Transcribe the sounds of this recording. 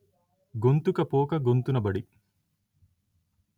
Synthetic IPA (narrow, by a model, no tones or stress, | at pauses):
ɡont̪ukɐpoːkɐɡont̪unɐbɐɽi